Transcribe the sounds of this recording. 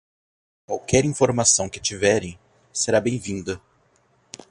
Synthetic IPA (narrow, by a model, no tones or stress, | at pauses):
kwawkɛɾĩfoɾmasɐ̃w̃kɪt͡ʃivɛɾẽj̃ | seɾabẽj̃vĩnd̪ɐ